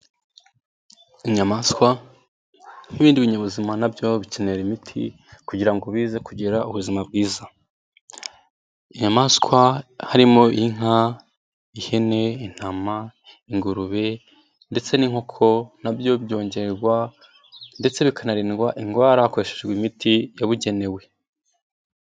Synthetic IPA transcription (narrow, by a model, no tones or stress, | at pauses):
iɲamaskwa | n̥iβiːndiβiɲeβuzimanabjo̞βiceneɾimitʰḭ | kuɟiɾaŋɡo̞βiːzekuɟeɾauβuzimab̚ɡiːza | iɲamaskwahaɾimo̞iŋ̥a | ihe̞ne̞in̥ama | iŋɡuɾuβe̞ | nde̞t͡se̞niŋ̥o̞kʰo̞nabjo̞bjo̞ːɲɟe̞ɾɾɡwa | nde̞t͡se̞βikanaɾiːnɡwaʔiŋɡwaːɾakweʃeʒɡwimitʰijaβuɟe̞ne̞we̞